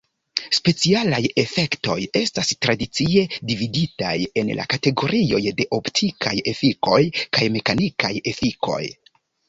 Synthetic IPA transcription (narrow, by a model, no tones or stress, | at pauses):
spe̞t͡sialaje̞fe̞kto̞̰je̞stastɾadit͡sie̞dividita̰je̞nlʔa̰kate̞ɡo̞ɾʔio̞jde̞ʔo̞ptʰikʰa̰je̞fiko̞jkajme̞kanikaje̞fikʰo̞̰j